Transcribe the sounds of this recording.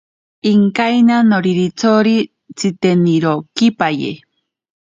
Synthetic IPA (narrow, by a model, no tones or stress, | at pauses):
iŋkajnanoɾiɾit͡sʰoɾi | t͡sʰit̪eniɾokipajḛ